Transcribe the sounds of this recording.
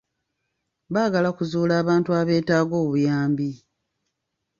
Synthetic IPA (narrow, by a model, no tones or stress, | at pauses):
βaːɡalakuzuːlaːβaːntuaβe̞ːtaːɡo̞ːβujaːmbi